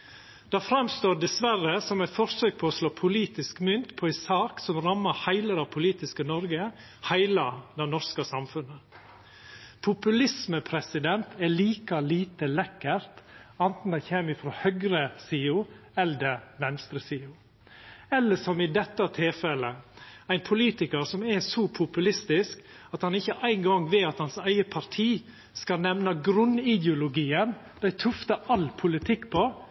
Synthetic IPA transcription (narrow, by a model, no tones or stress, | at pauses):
d̪̥ɑfɾɑmst̪oːɖɛsʋæɾəsɔmæɪt̪fɔɾsøːk̚pʰɔɔsloːpʰʊliːt̪ɪskmʏnt̪pʰɔæsɑːksɔmɾɑmːəhæɪləɾɑʋpʰʊliːt̪ɪskənɔɾɡə | hæɪlɑd̪ɛnɔɾskɑsɑmfʉnːə | pʰʊpʉlɪsməpʰɾɛsɪd̪ɛnt̪ʰæɭiːkɑliːt̪əlɛkːəɾt̪ɑnt̪n̩d̪æɪçeːmɪfɾohœɡɾəsiːʊ | ɛld̪əʋɛnst̪ɾəsiːʊ | ɛlːəʂɔmɪd̪ɛt̪ːɑt̪ʰɪlfɛləæɪnpʰʊliːt̪ɪkəɾsɔmɛsɔpʰʊpʉlɪst̪ɪsk | ɑt̪hɑnɪçːəʔæɪŋɡɑŋʋeːɑt̪hɑnsæɪəpʰɑɾt̪ʰiː | skɑnɛmnɑɡɾʉnɪd̪jʊlʊɡiːən | d̪̥æɪt̪ʰʉft̪ɑʔɑlpʰʊlɪt̪ʰɪkːpʰo